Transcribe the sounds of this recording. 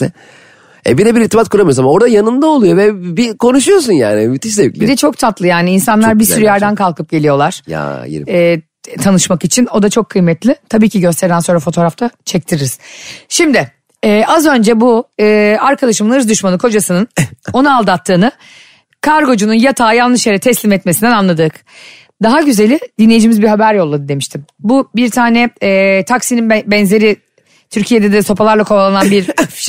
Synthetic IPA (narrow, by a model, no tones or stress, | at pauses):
ɛ | ɛ̰bilɛbiɾiɾt̪ʰimat̪̚kʰuɾamɯjozamao̞ɾd̪ajanɯnd̪aolˠujo̞vɛbikʰo̞nuʃujos̬unja̰ːnimyt̪ʰiʃsebbid̪ɛt͡ʃʰo̞k̚t̪ʰat̪lˠɯjaːniːnsanlˠaɾbiɾsyɾyjæɾd̪ænkʰalˠkʰɯp̚ɟe̞lʲijo̞lˠaɾ̥ja̰j̰ɛː | t̪ʰanɯʃmakit͡ʃʰino̞d̪at͡ʃʰo̞kʰːɯjmɛt̪lʲɪt̪ʰabiːcʰiɟøst̪ʰɛɾd̪ænso̞nɾafo̞t̪ʰo̞ːɾaft̪ʰat͡ʃʰɛc̚t̪ʰiɾiɾiz̥ʃimd̪ɪː | ʔazø̞nd͡ʒɛbuɯːaɾkʰalˠaʃɯmnˠɯɾzd̪yʃmanɯkʰo̞d͡ʒasɯnɯno̞naaːlˠd̪at̪ʰːɯːnɯ | kʰaɾɡo̞d͡ʒununjat̪ʰaːjalˠnˠɯʃjeɾɛt̪ʰɛslʲimɛt̪mesind̪ɛnanlˠad̪ɯk | d̪aɦaɟyze̞lʲɪd̪inlʲejid͡ʒimizbiɦabæɾjo̞lˠːad̪ɯd̪e̞miʃt̪ʰimbubiɾt̪ʰaːnɛːt̪ʰaksininbɛnze̞ɾɪ | t̪ʰyɾcʰijed̪ɛd̪ɛso̞pʰalˠaɾlˠakʰo̞balˠananbiɾ